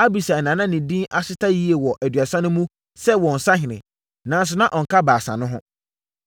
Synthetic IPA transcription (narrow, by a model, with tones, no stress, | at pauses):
a˦bi˨sa˨nã˨nã˦nɪ̃˨dĩ˦ʔa˦sɪ˦tʰa˦ji˦e˨wɔ˨ʔæ˨dɥa˨sã˦nʊ̃˦mũ˦ | sɛ˦wɔ̃˨n̩˨sã˦ɦɪ̃˨nɪ̰̃˨ | nã˨n̩˦s̬ʊ˨˦nã˦ʔɔ˨ŋ̩˨kʰa˦baː˨sã̰˨nʊ̃˦ɦʊ̃˦